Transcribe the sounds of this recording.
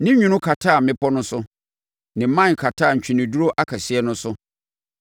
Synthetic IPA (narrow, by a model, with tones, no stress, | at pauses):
nɪ̃˦ɲᶣũ˨˦nʊ̃˦kʰa˨tʰaː˦˨mɪ̃˦pʰɔ˦nʊ̃˦sʊ˦ | nɪ̃˨˦mã˦˨kʰa˨tʰaː˦˨ɲ̩˨t͡ɕᶣi˨nɪ̃˨du˦ɾo˦ʔa˦kʰa˨si˦ɛ˦nʊ̃˦sʊ˦